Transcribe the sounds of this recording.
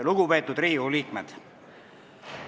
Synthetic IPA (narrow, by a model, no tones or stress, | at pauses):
luɡ̥upe̞ːt̪ːˑud̪ɾiːuliːkmed̪̥